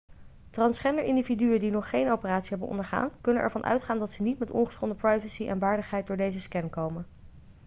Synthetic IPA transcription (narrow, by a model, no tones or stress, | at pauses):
trɑnsχɛndəɹʔɪndividyəndinɔχːejnowpəraːtsiɦɛbənʔɔ̰ndəɹχa̰ːnkɵnənʔɛ̰ɹvɑnʔœ̰ɥtχaːndɑtsənitmɛtɔ̰nχəsχɔndəprɑjvəsiʔɛ̰nʋaːɹdəχɦɛjt̚dʊːɹdejzəskɛnkowmən